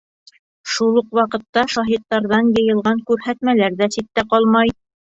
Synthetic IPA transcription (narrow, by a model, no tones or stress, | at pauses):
ʃulˠuqwɑqɤ̆t̪ːɑʃɑɦit̪ːɑɾðɑnjɤ̆jɤ̆lˠʁɑŋkʉɾɦæt̪mælæɾðæsit̪ːæqɑlˠmɑj